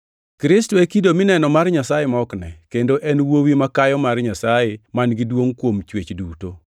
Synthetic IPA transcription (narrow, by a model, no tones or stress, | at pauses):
kɾɪstɔekidomɪnɛnɔmarɲasajemaɔknɛ̰kendoʔɛnwowimakajɔmarɲasajemanɡɪdwoŋkwomt͡ʃwet͡ʃduto